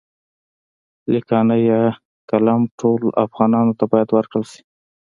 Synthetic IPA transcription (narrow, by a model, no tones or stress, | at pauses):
likɑnəja | kalamʈʰola̰fɣɑnɑnot̪abɑjad̪wəɾkɽəlʃi̥